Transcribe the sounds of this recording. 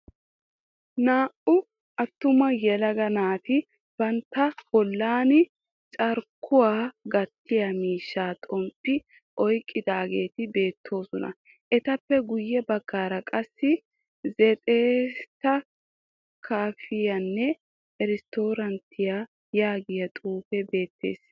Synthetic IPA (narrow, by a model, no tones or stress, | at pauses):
naːʔʊ | ʔɐt̪ːʊmɐjɛlɐɡɐnaːt̪ɪ | b̥ɐnt̪ːɐb̥ɔlːaːnɪ | t͡ʃʼɐɾkʰːʊwaːɡɐt̪ʰːɪjamiːʃːaːt̪ʼɔmpʼːɪ | ʔɔjkʼːɪd̪aːɡe̞ːt̪ɪbe̞ːt̪ʰːo̞ːsɔnɐ̰ | ʔɛt̪ɐpːɛɡʊjːɛbɐɡ̥ːaːɾɐkʼɐsːɪ | zɛt̪ʼeːt̪ɐ | kʰaːfɪjɐnːɛ | ɛɾɪst̪oːɾɐnt̪ʰːɪjaː | jaːɡɪjɐt̪ʼuːfɛbe̞ːt̪ːe̞̰ːs